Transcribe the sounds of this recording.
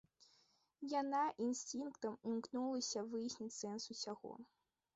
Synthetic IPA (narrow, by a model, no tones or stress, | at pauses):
janaʔinsʲt̪ʲinkt̪ɐmimknulˠɐsʲɐvɨjsʲnʲit͡sʲsɛnsusʲaɣɔ̰